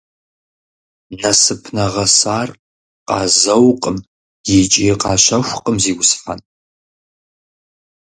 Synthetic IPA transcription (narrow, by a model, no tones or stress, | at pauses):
nɐsɨpʰnɐʁɐsaːr | qʼɑːzɐwqʼəm | jɛt͡ʃʼiːqɑːɕɐxʷqʼəmziːwʊsħɐ̰n